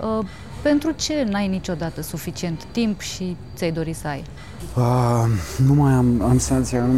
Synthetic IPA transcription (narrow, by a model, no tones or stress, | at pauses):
ə | pe̞nt̪ɾut͡ʃe̞najnit͡ʃo̞d̪at̪əsufit͡ʃie̞nt̪ːimpʃit̪sʲajd̪o̞ɾisəaj | ə | numajamamsant̪sianu